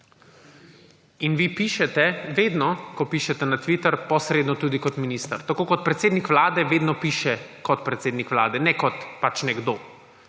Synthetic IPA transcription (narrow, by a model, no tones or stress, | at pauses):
inʋipiːʃɛt̪ɛʋeːd̪nɔkɔpiːʃɛt̪ɛnat̪ʋit̪əɾpɔsɾeːd̪nɔt̪uːd̪ikɔt̪minist̪aɾt̪akoːkɔt̪̚pɾɛt̪seːd̪nikʋlaːd̪ɛʋeːd̪nɔpiːʃɛkɔt̪pɾɛt̪seːd̪nikʋlaːd̪ɛnɛkɔt̪pat͡ʃnɛɡd̪oː